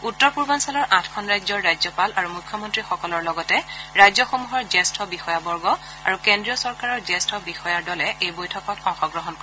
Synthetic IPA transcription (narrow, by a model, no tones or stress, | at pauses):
utːɔɹpuɹbansalɔɹʔãtʰkʰɔnɹajzɔɹːajzɔpalaɹumukʰːjɔmɔntɹixɔkɔlɔɹlɔɡɔtɛɹajzɔxomuɦɔɹzɛstʰɔbixɔjabɔɹɡɔ | a̰ɹukendɹijɔsɔɹkaɹɔɹzɛstʰɔbixɔjaɹdɔlɛʔejbojtʰɔkɔtɔ̃xɔɡɹɔɦɔnkɔɹɛ